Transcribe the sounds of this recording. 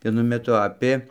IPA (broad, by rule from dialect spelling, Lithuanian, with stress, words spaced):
ʋʲiɛˈnʊ mʲɛˈtʊ ˈɑːpʲeː